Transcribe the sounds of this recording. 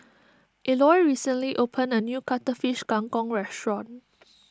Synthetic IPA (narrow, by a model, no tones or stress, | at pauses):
ʔilɔjɹisə̃nliʔopʰə̃nənjukatəfiʃɡ̥ãŋkɔ̃ŋɹɛstɹɔ̃n